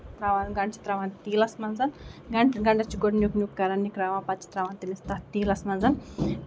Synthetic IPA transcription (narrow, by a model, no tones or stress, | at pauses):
t̪ɾaʋanɡɐɳt͡ʃʰi̥t̪ɾaʋant̪iːlɐsmɐnzɐnɡɐɳɡɐɳɖɐt͡ʃiɡoɖnjuknjukkɐɾɐnːikɾaːʋaːpɐt̪t͡ʃʰi̥t̪ɾaːʋaːnt̪inist̪at̪iːlɐsmɐnzɐn